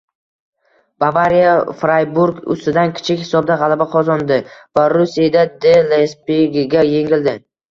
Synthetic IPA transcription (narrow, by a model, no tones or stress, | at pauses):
b̥avaɾijafɾajbuɾɡʊ̰st̪ɪd̪ankʲʰɪ̥t͡ʃʰɪkʲhɪsɒb̚d̪aʁɑlˠabaqʰɒzɒnd̪ɪvaɾusijad̪ad̪elespeɡʲɪɡʲaje̞ŋɪld̪ɪ